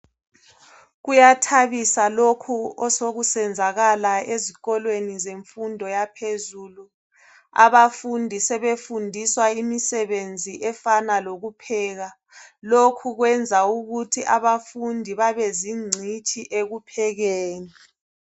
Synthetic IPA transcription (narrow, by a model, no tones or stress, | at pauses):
ɣujatʰaβisalokʰuɔsoɣusɛnd͡zʱaɣalaeziɣɔlwenizeɱfundʱɔjapʰezuːlu | a̰βafundʱisɛβefundʱiswaimisɛβend͡zʱiʔɛfanaloɣupʰɛːɣa | lokʰuɣwɛnd͡zʱauɣutʰiʔaβafundʱiβaβeziŋ͡ǀʱit͡ʃʼʰiʔeɣupʰɛɣeːni